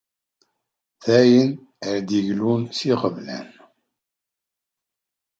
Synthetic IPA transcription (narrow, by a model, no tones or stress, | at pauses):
θæjən | əɾd̪iʝlunsiqəvlæ̰n